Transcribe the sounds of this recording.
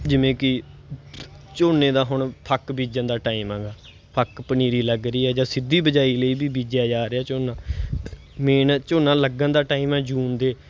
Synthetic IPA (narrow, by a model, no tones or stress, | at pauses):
d͡ʒɪʋẽːkɪ | t͡ʃoːnẽːd̪aːɦʊɳpʰəkbiːd͡ʒənd̪aːʈaːimɛ̃ːɡaː | pʰəkpəniːɾiːləɡɾiːɦɛːd͡ʒãːsɪd̪iːbəd͡ʒaːiːləiːbiːbiːd͡ʒaːd͡ʒaːɾeaːt͡ʃoːnãː | meːnt͡ʃoːnãːləɡənd̪aːʈaːiːmɛ̃ːd͡ʒuːnd̪eː